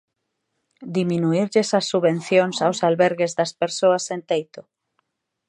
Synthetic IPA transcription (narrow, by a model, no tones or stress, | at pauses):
d̪imĩnuiɾʎesɐsːuβẽnθjoŋsawsalβɛɾɣezðɐspeɾsoɐsent̪ejt̪ʊ